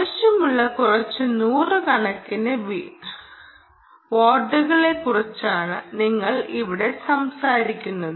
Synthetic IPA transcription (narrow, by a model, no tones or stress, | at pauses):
ɐɕjɐmuɭːɐkurɐt͡ɕːɨnuːrɨkɐɳɐkːinɨʋi | ʋoːɖːuɣɐɭe̞kurɐt͡ɕːaːɳɨniŋːɐɭiʋiɽe̞sɐmsaːɾikʲːunːɐðɨ